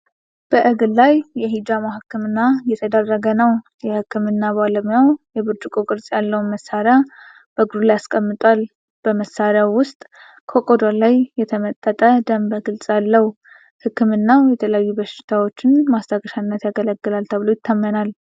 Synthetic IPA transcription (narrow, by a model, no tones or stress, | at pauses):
b̥əʔɨɡɨllajjɛɦid͡ʒamahɨkːɨmɨnːajɛt̪ʰəd̪ərːəɡənəw | jɛhɨkːɨmɨnːabaləmjawjɛbɨt͡ʃʼːɪkʼokʼɨɾsʼjalːəwunməsaɾja | b̥əɡɾulajaskʼəmːɨt̪ʼwal | b̥əməsːaɾjawːʊst̪ʼ | kʰokʼod̪alajjːɛt̪ʰəmət̪ʼːət̪ʼəd̪əmbəɡɨlsʼjalːəhu | hɨkːɨmɨnːajɛt̪ʰələjajːubəʃɪ̥t̪ʰawo̞t͡ʃːɪnmast̪ʰaɡəʃanːət̪jaɡələɡːɨlalt̪ʰəβɨlojɪt̪ʰːamːənal